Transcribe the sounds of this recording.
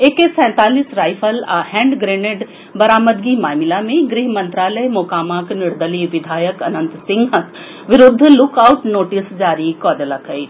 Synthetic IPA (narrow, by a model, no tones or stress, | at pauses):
ekesɛ̃ːt̪aːlisɾaːjpʰəlahɛ̃ːɳɖɡɾeːneʈ | bɐɾaːməd̪ɡimaːmɪlamẽɡɾɪɦmɐ̃nt̪ɾaːləjmokaːmaːknɪɾd̪əliʋɪd̪ʱaːjəkɐnə̃nt̪sɪ̃ŋɡɦɐk | ʋɪɾʊd̪ʱːlʊkaːʊʈnoːʈisd͡ʒaːɾikɔːɖəlakʰəi